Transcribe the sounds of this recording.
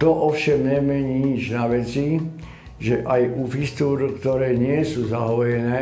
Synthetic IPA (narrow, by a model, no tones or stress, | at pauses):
t̪ɔʔɔfʃɛmɲɛmɛɲiːɲid͡ʒnaʋɛt͡si | ʒɛʔajufist̪uːɾkt̪ɔɾɛːɲɪɛsuːzaɦɔjɛnɛː